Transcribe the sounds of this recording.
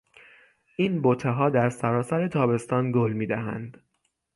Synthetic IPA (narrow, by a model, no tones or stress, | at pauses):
ʔiːnbot̪ʰeɦɒːd̪æɾsæɾɒːsæɾe̞t̪ʰɒːbe̞st̪ɒːnɡolmiːd̪æɦæ̰nd̪̥